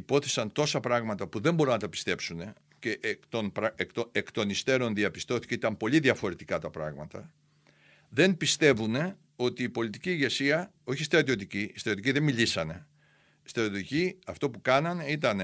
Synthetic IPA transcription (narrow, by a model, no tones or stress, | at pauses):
ipo̞θesɐnt̪o̞sɐpɾɐɣmɐt̪ɐpuðe̞mbo̞ɾunɐt̪ɐpi̥st̪e̞psune̞ | ceʔkt̪onpɾɐek̪oekt̪o̞nist̪e̞ɾo̞nðiɐpist̪o̞θi̥ceit̪ɐmpo̞liðiɐfo̞ɾe̞t̪ikɐt̪ɐpɾɐ̰ɣmɐt̪ɐ̰ | ðe̞npist̪e̞vune̞ | o̞t̪iːpo̞lit̪iciːɣe̞siɐ | o̞çist̪iɾɐt̪io̞t̪icist̪ɐtjot̪iciðe̞milisɐne̞ | st̪iɾɐt̪ot̪iciɐft̪o̞pukɐnɐneit̪ɐne